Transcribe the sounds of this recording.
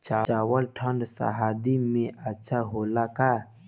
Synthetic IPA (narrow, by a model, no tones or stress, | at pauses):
t͡ʃaaːwəlʈʰəɳɖsa̰ɦaːd̪imẽʔətːʃʰaɦoːlakaː